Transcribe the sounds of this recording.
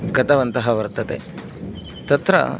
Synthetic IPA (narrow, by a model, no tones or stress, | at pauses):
ɡɐt̪ɐʋɐnt̪ɐɦɐʋɐɾt̪ɐt̪ḛ | t̪ɐt̪ɾɐ̰